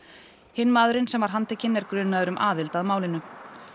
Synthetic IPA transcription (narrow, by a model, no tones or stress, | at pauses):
hɪnːmaːðʏɾɪnsɛmvaɾɦant̪ɛcʰɪnːɛɾkɾʏːnːaðʏɾʏmʔaːðɪlt̪aðmaːwlɪnʏ